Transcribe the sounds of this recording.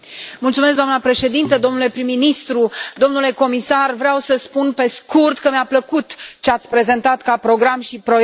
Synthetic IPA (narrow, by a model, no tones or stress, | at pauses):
mult̪sume̞s̬kɡd̪oamnəpɾe̞ʃe̞d̪int̪əd̪o̞mnule̞pɾimːinist̪ɾud̪o̞mnule̞ko̞misarvɾeawsəspunpe̞skurt̪kəmeapləkut̪t͡ʃeat̪sʲpɾe̞ze̞nt̪at̪kapɾo̞ɡɾamʃipɾo